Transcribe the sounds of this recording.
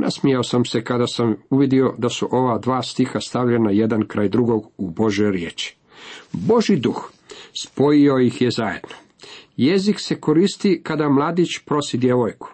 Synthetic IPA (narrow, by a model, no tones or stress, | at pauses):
nʔa̰smijaosamse̞kad̪asamuʋid̪io̞d̪asuʔo̞ʋad̪ʋaːst̪ixast̪aʋʎenaje̞d̪ankɾaːjd̪ɾuɡo̞ɡubo̞ʒjojɾje̞ːt͡ʃi̥ | bo̞ʒid̪ux | spo̞jio̞jixjezaje̞d̪no | je̞zikse̞ko̞ɾiːst̪ikad̪amlˠaːd̪it͡ʃpɾo̞sid̪je̞ʋo̞jku̥